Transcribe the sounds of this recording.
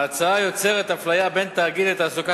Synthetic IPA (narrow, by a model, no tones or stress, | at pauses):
at͡saajo̞t͡se̞ʁet̪aflajabe̞nt̪aːɡid̪et̪aːsuka